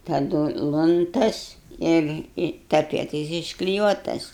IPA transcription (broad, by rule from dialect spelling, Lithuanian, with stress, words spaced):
tɐˈdʊ ɪ lˠʊnˈtɐs ɪr ɪ tɐˈpʲiɛtɐɪs ɪʃklʲɪˈjuɔtɐs